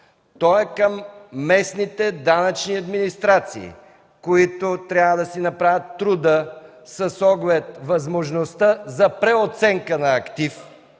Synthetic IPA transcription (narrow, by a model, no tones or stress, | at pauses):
t̪ɔɛkəmːɛsnit̪ɛd̪anət͡ʃniɐd̪minist̪ɾat̪sḭː | koit̪ot̪ɾʲavəd̪ɐsinɐpɾavʲət̪ːɾud̪ə | səsɔɡlɛt̪vɐzmoʒnost̪əzɐpɾɛot̪sɛŋkənɐːkt̪if